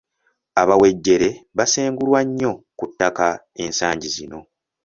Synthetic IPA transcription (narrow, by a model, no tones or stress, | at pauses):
aβawe̞ɟːe̞ɾe̞βaseːŋɡulwaɲːo̞kutːaka | e̞nsaːɲɟizino̞